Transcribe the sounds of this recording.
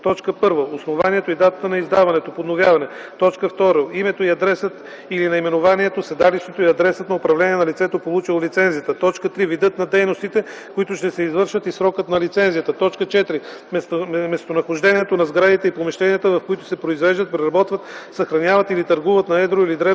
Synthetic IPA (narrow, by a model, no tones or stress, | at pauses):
t̪ɔt͡ʃkəpɤɾvəosnovaniɛt̪oid̪at̪ət̪ənɐizd̪avɐnɛt̪opod̪novʲjavɐnɛ | t̪ɔt͡ʃkəft̪ɔɾoimɛt̪oiɐd̪ɾɛsət̪ | ilinɐimɛnovaniɛt̪osɛd̪aliʃt̪ot̪oiɐd̪ɾɛsət̪nɐʊpɾɐvlɛniɛnɐlit̪sɛt̪opolˠut͡ʃilˠolit̪sɛnzijət̪ət̪ɔt͡ʃkət̪ɾivid̪ɤt̪nɐd̪ɛjnost̪it̪ɛ | koit̪ʊʃt̪ɛsɛizvɤɾʃət̪isɾɔkət̪nɐlit̪sɛnzijət̪ət̪ɔt͡ʃkət͡ʃɛt̪ɾi | mɛsmɛst̪onɐxoʒd̪ɛniɛt̪onɐzɡɾad̪it̪ɛipomɛʃt̪ɛniət̪əvɐfkoit̪ʊ̥sɛpɾoizvɛʒd̪ət̪̚pɾɛɾɐbɔt̪vət̪sɐxɾɐnʲjavɐt̪ilit̪ɐɾɡuvət̪nɐɛd̪ɾoilid̪ɾɛ